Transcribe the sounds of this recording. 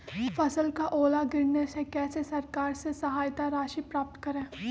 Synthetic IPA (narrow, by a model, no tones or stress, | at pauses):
fɐsəlkaʔoːlaɡɪɾnesekɛːsesɐɾkaːɾsesɐɦaːjt̪aɾaːʃipɾaːp̚t̪kɐɾẽː